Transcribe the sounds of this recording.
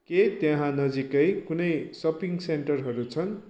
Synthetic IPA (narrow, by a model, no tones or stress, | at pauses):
ket̪jʌ̃ɦãnʌd͡zikʌjkunʌjsʌpiŋseɳʈʌrɦʌɾut͡sʰʌn